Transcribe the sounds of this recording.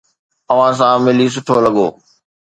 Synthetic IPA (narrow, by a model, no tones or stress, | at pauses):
ɐʋ̤ãs̬ãmɪlis̬ʊʈʰolɐɠoː